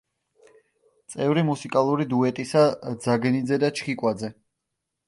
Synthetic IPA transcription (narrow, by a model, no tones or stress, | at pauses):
t̪sʼɛvɾimusikʼalˠuɾid̪uɛt̪ʼisad̪zaɡnid̪zɛd̪at͡ʃʰχikʼwad̪zɛ